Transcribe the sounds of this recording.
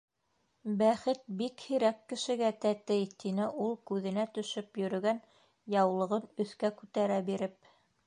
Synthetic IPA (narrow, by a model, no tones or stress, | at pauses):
bæχɘt̪̚bikhiɾækːɘ̆ʃɘ̆ɡæt̪æt̪ɘjt̪inɘʔulˠkʉðɘ̆næt̪ɵ̆ʃɵpjɵ̆ɾɵ̆ɡæn | jɑwlˠɤ̆ʁɤnɵ̆θkækʉt̪æɾæbiɾɘp̚